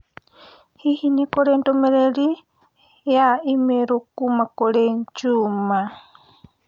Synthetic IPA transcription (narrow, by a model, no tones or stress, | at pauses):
hihinekoɾendomeɾeɾi | jaimeɾokumakoɾent͡ʃuma